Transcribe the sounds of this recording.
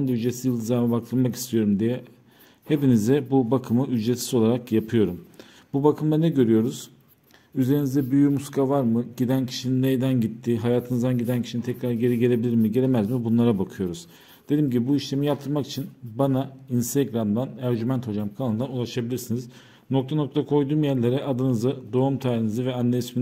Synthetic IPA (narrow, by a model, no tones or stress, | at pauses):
nd̪ayd͡ʒesizjɯlˠd̪ɯzaɾmabaklˠɯɾmaki̥st̪ʰijo̞ɾumd̪ijɛ | he̞pinizd̪ɛbubakʰɯmɯyd͡ʒɾet̪sizo̞lˠaɾakjapʰɯjo̞ɾum | bubakʰɯmd̪anɛɟø̞ɾyjo̞ɾuz̥ | yze̞ɾinizd̪ɛbyjymuskʰavaɾmɯɟid̪æncʰi̥ʃininejd̪ænɟit̪ʰːiɦajaːt̪ʰɯnɯzd̪anɟid̪æncʰiʃinit̪ʰɛcɾaɾɟe̞ɾiɟeɾʲe̞bilʲiɾmiɟe̞ɾemæzmibunlˠaɾabakʰɯjo̞ɾuz̥ | d̪̥e̞d̪imɟibibuiʃlʲe̞mijap̚t̪ʰːɯɾmaki̥t͡ʃʰinbanainst̪ʰeɡɾamd̪anæɾɟymænt̪ho̞d͡ʒamkʰalˠɯnd̪anulˠaʃabilʲiɾsiniz̥ | no̞kt̪ʰano̞k̚t̪ʰakʰo̞jd̪uːmjæɾlʲe̞ɾɛʔad̪ɯnɯzɯd̪o̞umt̪ʰaːɾinizɯvɛanːeismin